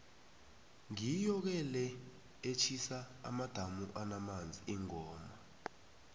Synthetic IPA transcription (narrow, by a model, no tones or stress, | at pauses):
ŋijɔk̬ɛlɛ | et͡ʃʰisa̰ːmad̥ʱamuʔanamand͡zʱiiŋɔːma